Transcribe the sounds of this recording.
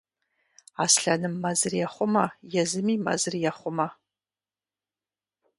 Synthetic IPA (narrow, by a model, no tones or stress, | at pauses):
asɬanɨmːazɨrjaχʷʊmajazɨmima̰zɨrjaχʷʊma